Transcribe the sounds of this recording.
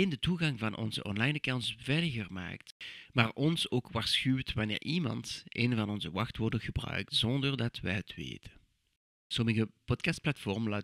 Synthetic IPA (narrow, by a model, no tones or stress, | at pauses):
endətuɣɑŋvɑnʔɔ̰nzə̰ʔɔnlɑjnəkawnsvɛjləɣərma̰ːktmaːrʔɔnsoːkʋaːɹsxywtʋɑnɪ̰ːɹʔimɑ̰ntḛːnvɑnɔnzəʋɑxtʋɔrdəɣəbrœ̰ɥk̚tzɔndərdɑtʋɛ̰jɦətʋḛːtʰən | sɔməɣəpɔtkɑst̚plɑtfɔrmlaː